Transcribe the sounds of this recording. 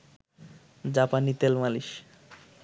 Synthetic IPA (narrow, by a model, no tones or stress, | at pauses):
d͡ʑapanit̪elmaliʃ